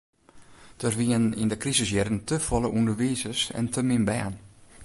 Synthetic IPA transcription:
d̥ərʋiənɪndəkrizəsjɛrən̩tʰəfɔlˠəʔundərʋiːsəsɛ̰ntʰəmɪnbɛːn

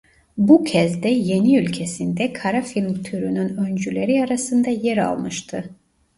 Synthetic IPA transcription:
bucʰɛzd̪ɛje̞niylʲcʰe̞sind̪ɛkʰaɾafilʲmt̪ʰyɾynynø̞nd͡ʒylʲe̞ɾiaɾasɯnd̪ɑjɛɾa̰lˠmɯʃt̪ʰɯ

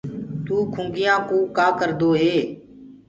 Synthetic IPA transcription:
t̪uːkʰʊ̃ːɡɪjãːkõːkaːkəɾd̪oːɦeː

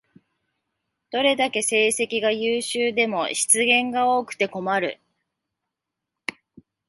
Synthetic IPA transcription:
d̪̥o̞ɾe̞d̪ake̞se̞ːse̞kʲiɡajɯːɕɨːd̪e̞mo̞ɕi̥t͡sɨɡẽ̞ŋɡao̞ːkɯ̟̥t̪e̞ko̞maɾɯ̟̰

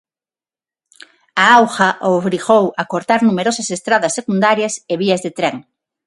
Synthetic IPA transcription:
aawxɐʔoβɾiɣowɐkoɾt̪aɾnumeɾosɐsest̪ɾaðɐsːekund̪aɾjɐseβiɐzðet̪ɾɛŋ

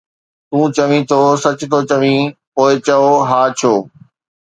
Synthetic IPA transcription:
t̪ũːt͡ɕɐʋĩt̪ʰoːsɐt͡ɕʊt̪ʰoːt͡ɕɐʋĩpoːɪt͡ɕɐoɦaːt͡ɕʰoː

